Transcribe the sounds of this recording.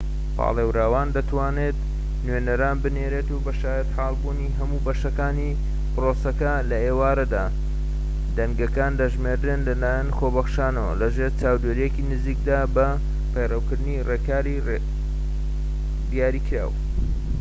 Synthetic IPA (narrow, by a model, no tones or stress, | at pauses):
pʰɑ̰ːlˠewɾaːwaːnd̪ɐt̪ʰwaːneːt̪ | nɥenɐɾaːnbɨneːɾeːt̪ubɐʃaːjɐt̪ħaːlˠbuːniɦɐmuːbɐʃɐkaːni | pɨrosɐkɐlɐeːwaːɾɐd̪aː | d̪ɐŋɡɐkaːnd̪ɐʒmeɾd̪enlɐlaːjɐnxobɐxʃaːnɐwɐ̰lɐʒeɾt͡saːwd̪eɾijekinɨziːk̚d̪aːbɐ | pɐjrɐwkɨɾd̪ɨnireːkaːɾi | d̪ijaːɾiːkɾa̰ːw